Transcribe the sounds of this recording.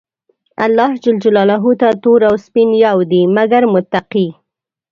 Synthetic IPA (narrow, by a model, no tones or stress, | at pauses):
a̰lːɑhd͡ʒɪld͡ʒalɑlaɦut̪at̪oɾawspinjawd̪imaɡaɾmʊt̪ːaqi